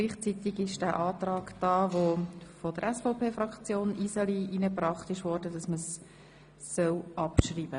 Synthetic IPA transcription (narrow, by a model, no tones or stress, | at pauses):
ɡliːχt͡sit̪ɪɡɪʃd̥æːʔɑːt̪rɑːɡd̥ɑːʋofod̥əɾɛsfopʰeːfɾɑkt͡sjoːnisəliʔinəprɑχtɪʃʋɔːɾdəd̥ɑsməsː | œwʔɑpʃriːb̥ə